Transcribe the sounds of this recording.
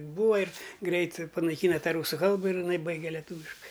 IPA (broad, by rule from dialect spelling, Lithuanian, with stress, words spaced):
ˈbuːʋɐ ɪr ˈɡrʲɛɪt pɐnɐɪˈkʲiːnɐ ˈtɑː ˈruːsʊ ˈkɐlˠbɐ ɪr ɪˈnɐɪ ˈbɐɪɡʲɛ lʲɛˈtuːʋʲɪʃkɐɪ